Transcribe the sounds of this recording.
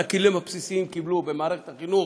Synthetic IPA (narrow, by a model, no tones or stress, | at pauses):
akilimhapsisiimkiblubemaːɾeχet̪aχinu